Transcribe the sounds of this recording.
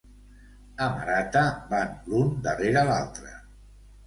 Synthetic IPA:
əma̰ɾat̪əbanlund̪əreɾaːlalˠt̪ɾə̰

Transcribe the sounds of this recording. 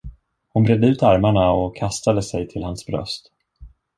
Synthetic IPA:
hʊnbɾɛd̪ːəʉ̟ːt̪aɾmaɳaɔkʰːast̪ad̪əsɛjt̪ʰɪlhansbɾœ̰st̪

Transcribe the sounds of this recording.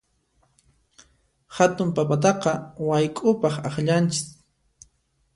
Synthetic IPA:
xat̪ʊmpapat̪̬ɑqɑwajkʼʊpɑχɑχʎant͡ʃɪ̥k

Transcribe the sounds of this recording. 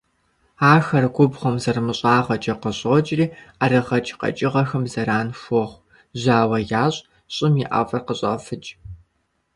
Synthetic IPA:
aːxɐrɡʷʊbχʷɔmzɐrmɨɕʼaːʁɐt͡ʃʼɐqəɕʼoːt͡ʃʼriːaɾɐʁɐt͡ʃʼqɐ̰t͡ʃʼɪʁɐxɐmzɐɾaːnʃʷɔχʷ | ʑaːwɐjaːɕʼ | ɕʼɪmjɪʔa̰fʼɐrqəɕʼɐ̰fɨt͡ʃʼ

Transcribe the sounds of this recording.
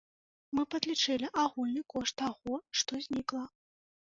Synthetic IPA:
mɨpɐd̪lʲit͡ʂɛlʲiʔaɣulʲnɨkɔʂt̪t̪aɣɔʂt̪ɔzʲnʲiklˠɐ

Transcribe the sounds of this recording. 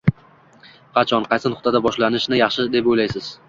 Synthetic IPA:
qʰɑt͡ʃʰɒnqʰɑjsɪnʊχt̪ʰad̪abɒʃlanɪʃnɪjɑχʃɪd̪e̞pojlajsɪz̥

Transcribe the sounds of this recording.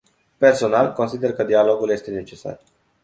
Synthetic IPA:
pe̞rso̞nalko̞nsid̪e̞rkəd̪ialo̞ɡulje̞st̪e̞ne̞t͡ʃe̞sa̰r

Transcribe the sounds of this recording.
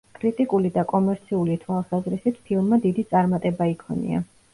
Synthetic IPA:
kʼɾit̪ʼikʼulid̪akʼɔmɛɾt̪sʰiulit̪ʰwalˠsazɾisit̪ʰpʰilˠmmad̪id̪it̪sʼaɾmat̪ʼɛbaikʰɔ̰nḭa̰

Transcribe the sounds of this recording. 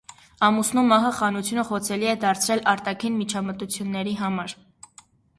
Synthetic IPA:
ɑmusnumːɑɦəχɑnut͡sʰjunəχɔt͡sʰɛliɛd̪ɑɾt͡sʰɾɛlɑɾt̪ɑkʰinmit͡ʃʰɑmət̪ut͡sʰjunːɛɾiɦɑmɑɾ

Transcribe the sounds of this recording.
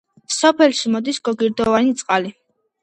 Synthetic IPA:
sɔpʰɛlʃimɔd̪isɡɔɡiɾd̪ɔvanit̪sʼqʼali

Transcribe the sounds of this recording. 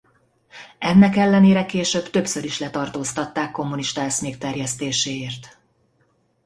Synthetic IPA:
ɛnːɛkɛlːɛneːɾɛkeːʃøbt̪ø̞psøɾiʃlɛt̪ɒrt̪oːst̪ɒt̪ːaːkːo̞mːuniʃt̪ɒɛsmeːkt̪ɛrjɛst̪eːʃeːeːrt̪

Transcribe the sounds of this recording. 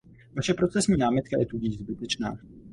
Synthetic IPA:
vaʃɛpɾo̞t͡sɛsɲiːnaːmɪt̪kajɛt̪uɟɪʒzbɪt̪ɛt͡ʃna̰ː

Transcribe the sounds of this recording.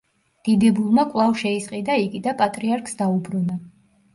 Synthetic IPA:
d̪̥id̪ɛbulˠmakʼlˠavʃɛisqʼid̪aiɡid̪apʼat̪ʼɾiaɾkʰʼsd̪aubɾuna

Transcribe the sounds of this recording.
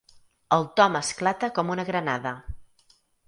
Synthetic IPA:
əlˠt̪ɔməsklat̪əkɔmunəɣɾənaðə

